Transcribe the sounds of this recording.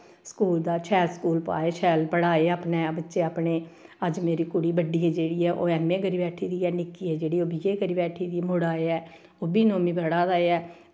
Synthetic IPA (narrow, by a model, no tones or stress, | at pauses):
skuːld̪aːt͡ʃʰɛːlskuːlpa̰ːeːt͡ʃʰɛːlpəɽaːeːaːpneːbətːʃeːaːpneːəd͡ʒmeːɾiːkʊɽiːbəɖiːɛːd͡ʒeːɽiːɛːʔo̰ːɛːmːẽːkəɾiːbɛːʈʰiːd̪iːɛːnɪkiːɛːd͡ʒeːɽiːoːbiːeːkəɾiːbɛːʈʰiːd̪iːɛmʊɽaːeːɛː | oːbiːnoːmĩːbəɽaːd̪aːeɛː